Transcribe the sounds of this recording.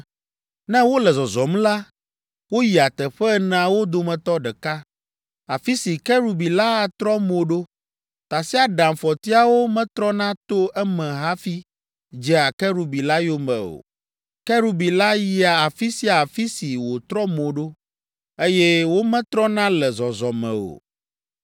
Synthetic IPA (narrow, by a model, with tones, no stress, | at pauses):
nɛ̃˦wo˦lɛ˨zɔ˨zɔ˨mla˦ | wo˦ji˨a˨t̪ɛ˨ɸɛ˦nã˦wo˦d̪o˦mɛ̃˨t̪ɔ˦ɖɛ˨ka˦ | a˨fi˦si˨kɛ˦ɾu˨bi˨la˦a˨t̪ɾɔ˦mo˨ɖo˦ | t̪a˨si˦a˨ɖã˨mfɔ˨t̪i˦a˨wo˦mɛ̃˦t̪ɾɔ˦nã˦t̪o˦ʔɛ˦mɛ̃˨ɦa˦fi˦ | d͡ʒɛ˦a˨kɛ˦ɾu˨bi˨la˦jo˦mɛ̃˨o̰˨ | kɛ˦ɾu˦bi˨la˦ji˨a˨a˨fi˦si˦a˨fi˦si˨wo˨t̪ɾɔ˦mo˨ɖo˦ | e˦jɛ˦wo˦mɛ̃˦t̪ɾɔ˦nã˦lɛ˨zɔ˨zɔ˨mɛ̰̃˨o̰˨